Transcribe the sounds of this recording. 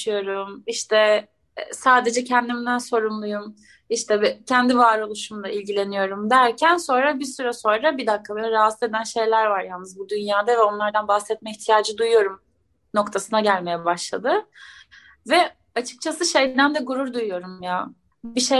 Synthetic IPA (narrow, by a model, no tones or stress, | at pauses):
ɯjo̞ɾumiʃt̪ʰɛ | saːd̪e̞d͡ʒɛcʰɛnd̪imid̪ænso̞ɾumlˠujum | iʃt̪ʰɛɛcʰænd̪ivaːɾo̞lˠuʃumd̪ailʲɟilʲe̞nijo̞ɾumd̪æɾcʰænso̞nɾabisyɾɛso̞nɾabid̪akʰːabeɛɾaɦase̞d̪ænʃe̞jlʲæɾvaɾjalˠnːɯzbud̪ynjaːd̪avɛo̞nlˠaɾd̪anbahsɛt̪̚mɛiçt̪ʰijaːd͡ʒɯd̪ujujo̞ɾum | no̞kt̪ʰasɯnaɟælʲme̞jɛbaʃlˠad̪ɯ | vɛ | at͡ʃʰɯ̥k̚t͡ʃʰasɯʃe̞jd̪ænd̪ɛɡuɾuɾd̪ujujo̞ɾumja | biʃe